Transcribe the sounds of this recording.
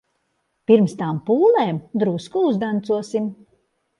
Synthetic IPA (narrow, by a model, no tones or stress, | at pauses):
piɾmst̪aːmpuːlˠeːmd̪ɾuskuuzd̪ant̪suɔsim